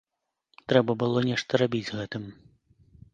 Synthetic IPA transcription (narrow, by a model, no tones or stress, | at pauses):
t̪ɾɛbɐbɨlˠɔnʲɛʂt̪ɐɾabʲid͡zʲɣɛt̪ɨm